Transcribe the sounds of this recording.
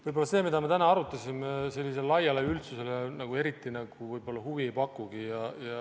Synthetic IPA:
vɯjbo̞lːɑse̞ːmid̪ɑme̞t̪ænɑɑɾut̪ːˑɑsʲimese̞lːise̞llɑjɑleylt̪suse̞lenɑɡ̥ue̞ɾit̪ːˑinɑɡ̥uvɯjbo̞lːɑhuviejpɑkːˑuɡ̥ijɑjɑ

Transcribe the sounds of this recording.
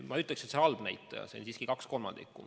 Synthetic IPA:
mɑyt̪ːˑlekset̪seɑlb̥næjt̪ːˑɑjɑ̰seonsiːskikɑksko̞lmɑnd̪̥ḭkːˑu

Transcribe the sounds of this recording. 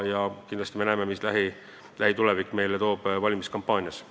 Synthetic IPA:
jɑkind̪lɑsʲt̪ime̞næːmemislæɦi | læhit̪ulevikˑːme̞jlet̪o̞ːb̥vɑlʲimiskɑmpːˑɑːnʲjɑs

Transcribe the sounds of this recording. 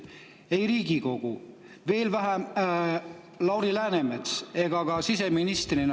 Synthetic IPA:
e̞jɾiːɡiko̞ɡ̥u | ve̞ːlvæɦæm | lɑwɾilæːnemet̪se̞ɡ̥ɑɡ̥ɑsis̬e̞minist̪rin

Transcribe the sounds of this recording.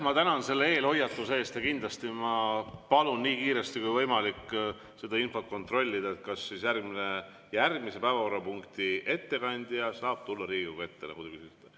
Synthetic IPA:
mɑt̪ænɑnse̞lːee̞ːlho̞jɑt̪ːˑuse̞ːst̪jɑkind̪lɑst̪imɑpɑlunːiːkiːɾe̞st̪ikujvɤjmɑlik | se̞d̪̥ɑinfo̞t̪̚ko̞nt̪ro̞lʲːid̪ɑet̪̚kɑsːisjærɡmine̞ | jærɡ̚mise̞pæevɑkorːɑpuŋkt̪ie̞t̪ːe̞kɑnʲd̪̥ijɑsɑːb̥̚t̪ulːɑɾiːɡiɡɑe̞t̪ːe̞nɑ̰kud̪kysit̪t̪ːˑɑ

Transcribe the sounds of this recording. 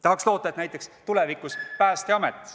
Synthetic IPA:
t̪ɑɦɑkslo̞ːt̪ːˑɑet̪næjt̪ˑːe̞kst̪ulevikuspæːst̪eɑmet̪ːˑ

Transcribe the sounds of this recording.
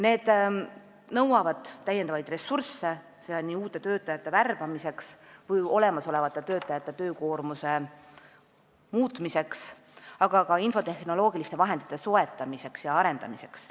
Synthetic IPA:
ne̞ːd̪̥ | nɤwɑvɑd̪̥ːæjend̪ɑvɑjd̪̥re̞sːursːe̞ | sed̪ɑnʲiːuːt̪ːˑe̞t̪øːt̪ːˑɑjɑt̪ːˑe̞værb̥ɑmise̞ksvɤjo̞le̞mɑso̞le̞vɑt̪ːˑet̪øːt̪ːˑɑjɑt̪ːˑe̞t̪ø̞ːko̞ːrmuse̞ | muːt̪ˑmise̞ks | ɑɡ̥ɑkɑinfo̞t̪e̞xno̞lo̞ːɡ̥ilist̪e̞vɑɦe̞nd̪it̪ːˑe̞so̞e̞t̪ːˑɑmise̞ksjɑɑɾe̞nd̪ɑ̰mise̞̥ks

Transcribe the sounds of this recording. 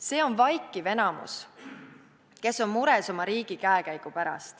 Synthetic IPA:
se̞ːo̞nvɑjkːˑive̞nɑmṵs | ke̞so̞nmuɾeso̞mɑɾiːɡ̥ikæekæjɡ̥upæɾɑ̰st̪

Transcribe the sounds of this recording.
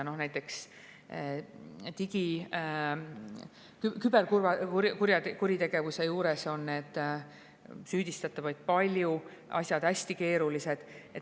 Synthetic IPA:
no̞hnæjt̪ːˑe̞ks | t̪iɡ̥i | kykybe̞rkurvɑukuɾjɑkuɾit̪e̞ɡ̥e̞vuse̞juːɾe̞so̞nːe̞ːd̪̥ | syːd̪̥ist̪ɑt̪ːˑɑvɑjd̪̥̚pɑlʲju | ʔɑ̰sʲjɑd̪̥hæsʲt̪ike̞ːɾulise̞d̪̥et

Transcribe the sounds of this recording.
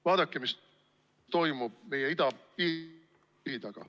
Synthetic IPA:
vɑːd̪̥ɑkːemis | t̪o̞jmub̥̚me̞jeid̪ɑpiː | ɾit̪ɑɡ̥ɑ̰

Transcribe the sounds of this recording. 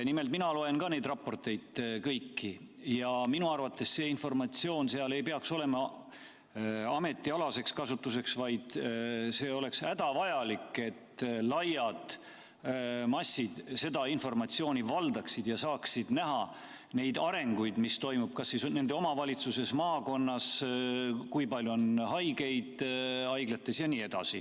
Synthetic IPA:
nime̞lt̪̚minɑlo̞e̞nkɑne̞jd̪rɑpːo̞rt̪ˑe̞jd̪̥kɤjkːi | jɑminuɑrvɑt̪ːe̞sse̞ːinfo̞rmɑt̪sio̞ːnse̞ɑle̞jpeɑkso̞le̞mɑ | ɑme̞t̪ːˑiɑlɑse̞kskɑsut̪ːˑus̬e̞ksvɑjd̪̥se̞ːo̞le̞ksæd̪ɑvɑjɑlikːˑe̞t̪ːlɑjɑd̪ | mɑsʲːid̪̥se̞d̪ɑinfo̞rmɑt̪sio̞ːnʲivɑld̪ɑksid̪̥jɑsɑːksid̪̥næɦɑ | ne̞jd̪ɑɾe̞ŋɡujd̪̥mist̪o̞jmub̥̚kɑsːisne̞nd̪e̞o̞mɑvɑlʲit̪suse̞smɑːko̞nːɑs | kujpɑlʲjuonhɑjɡe̞jd̪̥ɑjɡ̥let̪ːˑe̞sjɑniːe̞d̪̥ɑ̰si

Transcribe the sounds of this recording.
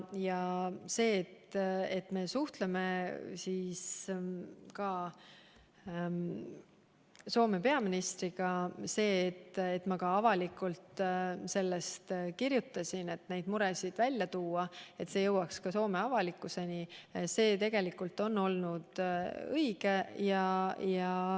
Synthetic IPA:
jɑse̞ːt̪et̪ːˑme̞suht̪leme̞siːs | kɑ | so̞ːme̞pe̞ɑminist̪riɡ̥ɑse̞ːt̪ːet̪ːˑmɑkɑɑvɑlikult̪se̞lːe̞st̪kirjut̪ːˑɑsʲine̞t̪ne̞jd̪̥muɾe̞sid̪̥vælʲːjɑt̪uːɑe̞t̪se̞ːjɤwɑkskɑso̞ːme̞ɑvɑlikːˑuse̞nise̞ːt̪e̞ɡ̥e̞likːˑult̪ːo̞nːo̞lnud̪̥ɤiɡe̞jɑjɑ

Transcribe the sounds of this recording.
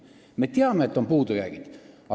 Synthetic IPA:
met̪iɑmːeet̪ːompuːt̪ujæ̰ːɡ̥it̪ | ɑ

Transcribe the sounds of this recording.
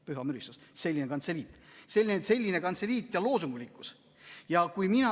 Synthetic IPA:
pyɦɑmyɾist̪usse̞lʲːinekɑnt̪se̞lʲiːt̪ːˑse̞lʲːinese̞lʲːine̞kɑnseliːt̪ːˑjɑlo̞ːsuŋɡ̥ulʲikːˑu̥s | jɑkujminɑ

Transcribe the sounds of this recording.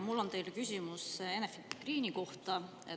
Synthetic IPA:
mulːo̞nt̪e̞jlkysʲimuse̞nefiɡ̥riːniko̞ht̪ɑ | e

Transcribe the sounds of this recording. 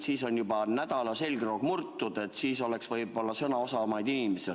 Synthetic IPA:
siːso̞nʲjubɑnæd̪̥ɑlɑse̞lʲɡroɡ̥murt̪ːud̪̥e̞t̪ːˑsiːso̞le̞ksvɤjbo̞lːɑsɤnɑosɑmɑjd̪̥inimese

